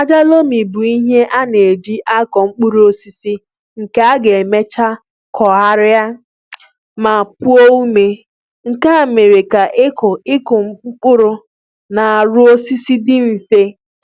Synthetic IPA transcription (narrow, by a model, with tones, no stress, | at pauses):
a˦d͡ʒa˦lo˦mi˨bu˨i˦ɦe˦ʔa˦ne˨e˨d͡ʒi˦ʔa˦kɔ˨ŋ͡m̩˦k͡pʊ˦ɾu˦o˦si˦si˦ | ŋ̩˨ke˦a˦ɡe˨e˨me˦t͡ʃa˦ | kʰɔ˨ɦa˦ɾɪ˦a˦ | ma˨pu˦o˦u˦me˨ | ŋ̩˨ka˦˨me˨ɾe˨ka˨ʔɪ˦kʊ˨ɪ˦kʊ˨ŋ͡m̩˦k͡pʊ˦k͡pʊ˦ɾʊ˦ | na˨a˨ɾʊ˦o˦si˦si˦dɪ˦m̩˨fe˦